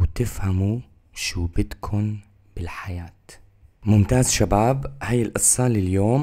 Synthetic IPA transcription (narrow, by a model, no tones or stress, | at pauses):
wt̪ɪfhamu | ʃuːbɪt̪kʰʊn | b̥ɪlħajaːt̪ | mʊmt̪aːzʃabaːbhajːɪlʔɨsˤːɑlɪljoːm